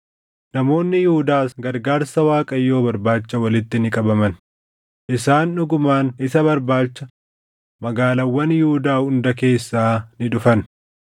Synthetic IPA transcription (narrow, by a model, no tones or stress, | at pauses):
nɐmo̞ːnːɪjɪhʊd̪aːsɡɐɾɡaːɾsɐwaːkʼɐjːo̞ːbɐɾbaːt͡ʃːɐwɐlɪt̪ːɪnɪkʼɐbɐmɐn | ʔɪsaːnːʊɡʊmaːnɪsɐβɐɾbaːt͡ʃːɐ | mɐɡaːlɐwːɐnjɪhʊd̪aːhʊnd̪ɐke̞ːsːaːnɪᶑʊfɐn